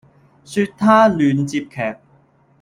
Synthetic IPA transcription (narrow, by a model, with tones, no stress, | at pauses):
syː˧t̚t̪ʰaː˥lyː˨˧nt͡siː˧p̚kʰɛː˨˩k̚